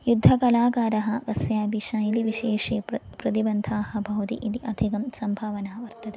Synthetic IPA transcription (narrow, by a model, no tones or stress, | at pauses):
jud̪ʱːɐkɐlaːkaːɾɐɦɐ̆ɡɐsjaːbiʂaːjiliʋiʃeːʂeːpɾɐt̪ibɐnd̪ʱaːhɐ̆bʱɐwt̪ḭʔid̪iʔɐd̪ʱikɐmsɐmbʱaːʋɐnaːʋɐɾt̪ɐt̪e